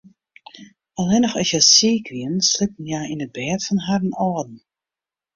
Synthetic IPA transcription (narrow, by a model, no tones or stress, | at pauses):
alˠɛnəxɔsjasiːkʰʋiənslɪp̚n̩jaːinət̚bɛːtfɔnɦarən̩ɔːdn̩